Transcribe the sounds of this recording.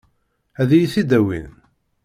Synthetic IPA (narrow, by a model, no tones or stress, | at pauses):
æðijiθid̪æwḭn